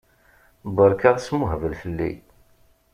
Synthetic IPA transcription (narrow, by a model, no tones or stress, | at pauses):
bəɾˤkaʁsmʊɦəvəlfəlːḭ